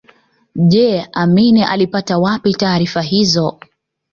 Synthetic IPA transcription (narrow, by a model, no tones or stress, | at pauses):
ʄɛaminiʔalipatawapitaːɾifaɦizɔ